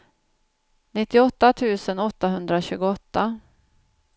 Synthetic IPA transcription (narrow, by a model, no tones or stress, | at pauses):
nɪt̪ːɪɔt̪ːat̪ʰʉ̟ːsənɔt̪ːaɦɵnd̪ɾaɕʉ̟ːɡʊɔt̪ːa